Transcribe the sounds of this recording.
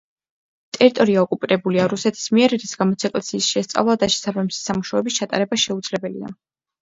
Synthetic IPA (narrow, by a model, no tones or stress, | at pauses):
t̪ʼɛɾit̪ʼɔɾiaɔkʼupʼiɾɛbuliaɾusɛt̪ʰi̥smiɛɾiɾisɡamɔt̪sʰɛkʼlɛsiːsʃɛst̪sʼa̰vlˠad̪aʃɛ̥sabamsi̥samuʃaɛbist͡ʃʰat̪ʼa̰ɾɛbaʃɛud̪zlɛbɛlḭa̰